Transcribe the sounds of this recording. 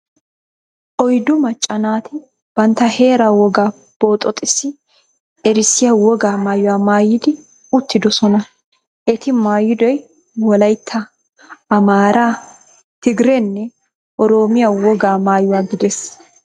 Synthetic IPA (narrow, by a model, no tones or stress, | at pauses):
ʔɔjd̪ʊmɐt͡ʃʼːɐnaːt̪ɪ | b̥ɐnt̪ːɐhe̞ːɾaːwɔɡaː | b̥o̞ːt̪ʼːɔt̪ʼːɪsːɪ | ɛɾɪsɪjɐwɔɡaːmaːjʊwaːmaːjːɪd̪ɪ | ʊt̪ːɪd̪ɔsɔnɐ | ʔɛt̪ɪmaːjːɪd̪ɔj | wɔlɐjt̪ʰːɐ | ɐmaːɾaː | t̪ɪɡɪɾɛnːɛ | ʔɔɾo̞ːmɪjɐwɔɡaːmaːjʊwaːɡɪd̪ɛs